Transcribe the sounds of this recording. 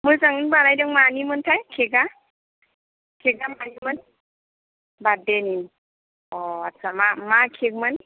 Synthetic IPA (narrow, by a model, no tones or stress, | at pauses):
mɯjzaŋɯnbalajdɯŋmanimɯntʰajkʰeɡa | kʰeɡamanimɯn | badeni | ɔatːsʰamamakʰek̚mɯn